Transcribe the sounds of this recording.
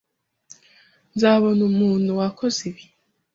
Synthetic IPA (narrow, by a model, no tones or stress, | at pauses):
nzaβonumuːnuwakʰoziβi